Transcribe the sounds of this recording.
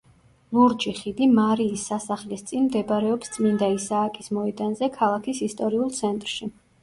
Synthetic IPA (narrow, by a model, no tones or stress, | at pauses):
luɾd͡ʒʼiχid̪imaɾiːsːasaχlist̪sʼinmd̪ɛbɾɛɔpst̪sʼmind̪aisaːkʼismɔɛd̪anzɛkʰalˠakʰisist̪ʼɔɾiulˠt̪sʰɛnt̪ʼɾʃi